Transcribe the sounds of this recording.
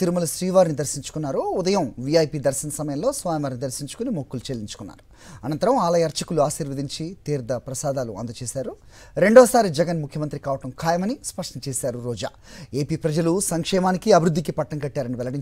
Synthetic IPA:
t̪iɾumɐlɐʃɾiːʋaːɾnid̪ɐɾsiɲt͡ʃu̥kunːaːɾuːd̪ɐjɐmʋiɐjpid̪ɐɾʃɐnɐsɐmɐjɐmlo̞ːsʋaːjɐʋaːɾnid̪ɐɾsiɲt͡ʃukunimokːulut͡ʃeːlːiɲt͡ʃu̥kunːa̰ːɾu | ɐnɐnt̪ɐɾɐmaːlɐjɐɾt͡ʃɐkuluaːʃiːɾʋɐd̪iɲt͡ʃit̪iːɾd̪ɐpɾɐsaːd̪aːlṵɐ̰nd̪ɐt͡ʃeːsaːɾu | ɾe̞ɳɖɔːsaːɾid͡ʒɛɡɐnmukʰjɐmɐnt̪ɾikaːʋɐʈɐmkʰaːjɐmɐnispɐʂʈɐnɐt͡ʃeːsaːɾuɾɔːd͡ʒa̰ːe̞ːpiːpɾɐd͡ʒɐlusɐŋkʂɛːmaːnikiɐbʱiɾud̪ʱːikipɐʈːɐŋkɐʈːaːɾɐniʋɛlɐɽiɲ

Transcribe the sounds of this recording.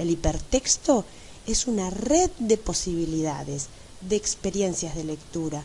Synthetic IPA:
elipeɾt̪ekst̪o̞ | esunareðd̪epo̞siβ̞iliða̰ðez | ðeːkspeɾjensjazðe̞le̞k̚t̪uɾa

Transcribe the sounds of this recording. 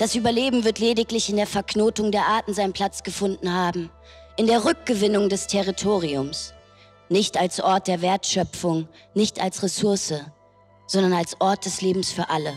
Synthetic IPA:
d̥asʔyːbɐleːbm̩vɪɐtleːdɪklɪçɪndeːɐfɛɐknoːtʊŋdeːɐʔaɐtn̩zaɪnənpʰl̥at͡sɡ̥əfʊndn̩haːbm̩ | ʔɪndeːɐʁʏk̚ɡ̥əvɪnʊŋdɛstʰɛʁitʰoːʁ̞iʊms | nɪçtalsʔɔɐt̚d̥eːɐveːɐtʃœp͡fʊŋ | nɪçtalsʁesʊɐsə | z̥ɔndɐnalsʔɔɐt̚d̥ɛsleːbm̩sfyːɐʔalə

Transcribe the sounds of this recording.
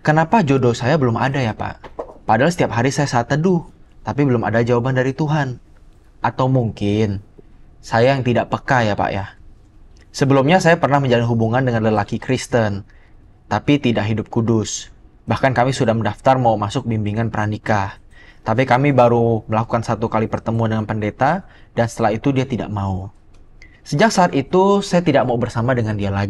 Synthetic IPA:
kənapad͡ʒodosajabəlʊma̰dajapa̰ʔpadalasə̥t̪iap̚ɦaɾisajasat̪ːədʊht̪apibəlʊma̰dad͡ʒawabandaɾit̪uɦan | ʔat̪awmuŋkɪn | sajajaŋt̪idaʔpəkajapa̰ʔja | səbəlʊmɲasajapərnahməɲd͡ʒalanɦubuŋandəŋanləlakikɾist̪ən | t̪apit̪idaʔɦidʊp̚kudʊs | bahkankamisudahməndaft̪armaumasʊk̚bimbiŋanpəɾanikat̪ap̬ikamibaɾuməlakukansat̪ukalipərt̪əmuandəŋanpəndet̪adansə̥t̪əlahit̪udiat̪ida̰ʔmau | səd͡ʒak̚saːt̪it̪usajat̪idak̚maubərsamadəŋandialaɡi

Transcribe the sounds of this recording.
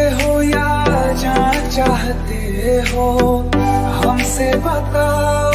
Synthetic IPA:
ɦoja | d͡ʒaːn | t͡ʃaːɦt̪e | ɦo | ɦɐmsebɐt̪a

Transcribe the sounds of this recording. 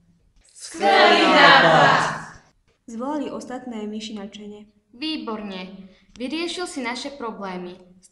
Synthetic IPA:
skɛlinaa | zʋɔlaliʔɔst̪at̪nɛːmiʃinat͡ʃɛɲɛ | ʋiːbɔɾɲɛ | ʋiɾɪɛʃilsinaʃɛpɾɔblɛːmi

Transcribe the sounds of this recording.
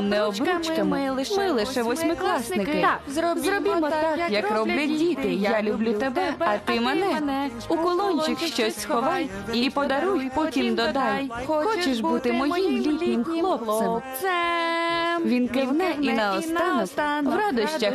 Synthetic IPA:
mnɛɔbɾut͡ʃkɐmmɪlˠɪʃɛʋɔsʲmɪklˠɑsnɪkɪzɔzɾɔbʲɪmɔt̪akkjɐkrɔblʲɐdʲit̪ɪjalʲublʲut̪ebɛɐt̪ɪmɛnɛ | ukɔlˠɔnʲt͡ʃɪkʃt͡ʃɔsʲsxɔʋɑj | ipɔd̪ɐɾujpɔtʲimd̪ɔd̪ɑwxxɔt͡ʃeʃbut̪ɪmɔjimlʲit̪ʲnʲɪmxlˠɔpl̚sɛm | ʋʲinkɪʋnɛʔinɐɔst̪ɑnɔwʋɾad̪ɐʃt͡ʃɐ

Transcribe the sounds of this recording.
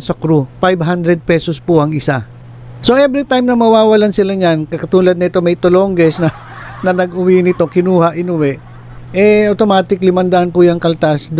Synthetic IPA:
sɐkɾupajbɦand̪ɾɛd̪̚pɛsospʊʔɐŋɪsa | soʔɛbɾit̪ajmnɐmɐwaːwɐlansɪlaɲankɐkɐt̪uːlɐd̪nɐɪt̪o̞mɐjt̪oloŋɡɛsnɐ | nɐnɐɡʔʊwinɪt̪o̞kɪnuːhaʔɪnʊwɛʔ | ʔɛɐwt̪o̞maːt̪ɪklɪmɐnd̪aʔanpʊjɐŋkɐlt̪asd̪

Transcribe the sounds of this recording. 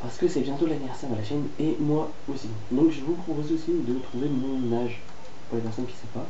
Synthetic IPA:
paʁsə̥kəsɛbjɛ̃t̪olanivɛʁsɛʁd̪əlaʃɛnemwa | osi | d̪ɔ̃kʒəvupχɔpozeosid̪ət̪χuvemɔ̃naʒ | puʁlepɛʁsɔnkʲi̥sɛ̃pa

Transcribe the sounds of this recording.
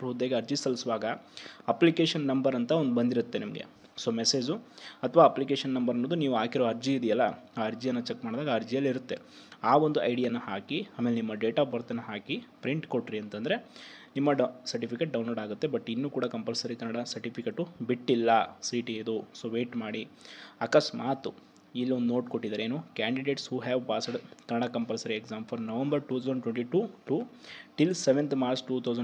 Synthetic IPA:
ɾuːd̪eːɡeɐɾd͡ʒisɐlisuʋaːɡɐɐplikeːʂɐnːɐmbɐɾɐnt̪ɐond̪ubɐnd̪iɾut̪ːe̞nimɐɡḛ | so̞ːmese̞ːd͡ʒuɐt̪ʰɐʋaːɐplikeːʃɐnːɐmbɐɾɐnːoːd̪uniːʋuaːkiɾoɐɾd͡ʒiːd̪ijɐlːɐaːɐɾd͡ʒijɐnːɐt͡ʃekːmaːɽd̪aːɡɐːɾd͡ʒijɐlːiɾut̪ːe̞̰ | aːʋond̪uɐ̰jɽijɐnːɐhaːkiaːmelenimːɐɖeːʈaːbɐɾt̪ɐnːɐɦaːkipɾiɳʈkoʈɾiɐnt̪ɐnd̪ɐɾe | nimːɐsɐɾʈipʰikeʈ̚ɖɐwnloːɽaːɡut̪ːe̞bɐʈːinːuːkuːɽɐkɐmpɐlsɐɾikɐnɐɽasɐɾʈipʰikeʈubiʈːilːɐsiːʈied̪usoːʋeːʈmaːɽiɐkɐsmaːt̪u | ilːiond̪unoːʈkoʈːid̪aːɾeːnuːkaːɳɖiɖeːʈshuːɦɛːʋpaːsɐɖkɐnɐɽakɐmpɐlsɐɾiekzaːmfʰɐɾnɐʋɐmbɐɾʈuːt̪ʰɐwzɐɳɖʈweɳʈiʈuːʈuːʈilseʋent̪ʰmaːɾt͡ʃʈuːt̪ʰɐwzɐ

